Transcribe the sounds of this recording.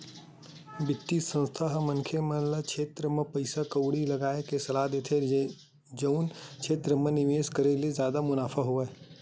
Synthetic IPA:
bɪt̪ːisə̃nst̪ʰaɦmɐ̃nkʰeməlakʰeːt̪ɾəmepɐɪsakəwɽilɐɡaːekesɐlad̪et̪ʰe | d͡ʒəʊnt͡ʃʰeːt̪ɾəmə̃nɪʋeːskəɾelezjaːd̪amʊnaːfʰaɦoe

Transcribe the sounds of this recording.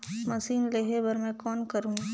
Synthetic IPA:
mɐsiːnleːɦebɐɾmɛ̃kɔːnkɐɾũː

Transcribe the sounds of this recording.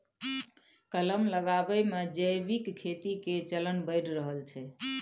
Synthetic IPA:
kələmləɡabəmed͡ʒəjbikkʰːet̪iket͡ʃələnbəɪɽɾəɦəlt͡ʃʰɛ

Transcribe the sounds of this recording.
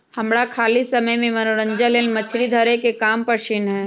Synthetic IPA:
hɐmɽakʰaːlisɐməjmẽmɐnoɾə̃ɲd͡ʒaleːlmɐt͡ʃʰɽid̪ʱəɾekekaːmpəʃɪnɦɛː

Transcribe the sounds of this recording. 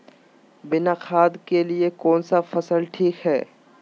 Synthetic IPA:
bɪnaqʰaːd̪keliekɔːnsafɐsəlʈʰiːkɦɛː

